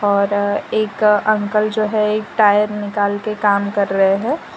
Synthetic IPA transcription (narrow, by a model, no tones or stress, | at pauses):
ɔːɾeːkɐ̃ŋkəld͡ʒoːɦɛeːk̚ʈaːjəɾnɪkaːlkekaːmkɐɾːəɦeɦɛ̃ː